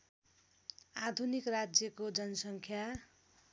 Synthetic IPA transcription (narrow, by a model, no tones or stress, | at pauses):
ad̪ʱunikrad͡zjʌkod͡zʌnʌsʌŋkʰja